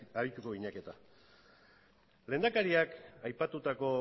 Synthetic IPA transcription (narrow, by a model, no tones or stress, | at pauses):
aɾit̪uko̞iɲake̞t̪a | le̞nd̪akaɾiakajpat̪ut̪ako̞